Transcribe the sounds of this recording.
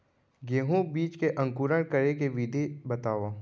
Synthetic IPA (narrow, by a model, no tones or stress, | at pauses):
ɡeːɦũbiːt͡ʃkeʔɐ̃ŋkuːɾəɽkɐɾekeʋid̪ʱibɐt̪aːʋaː